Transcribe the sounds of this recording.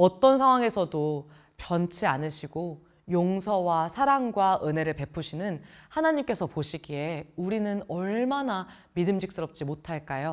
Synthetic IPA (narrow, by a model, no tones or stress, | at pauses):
ʌt͈ʌnsʰaŋwaŋe̞sʰʌdo | pjʌnt͡ɕʰianɯɕʰiɡo | joŋsʰʌwasʰaɾaŋɡwaʔɯne̞ɾɯɭpe̞pʰuɕʰinɯnhanaɲimk͈e̞sʰʌpoɕʰiɡie̞uɾinɯnʌɭmana | midɯmd͡ʑik̚s͈ɯɾʌp̚t͡ɕ͈imotʰaɭk͈ajo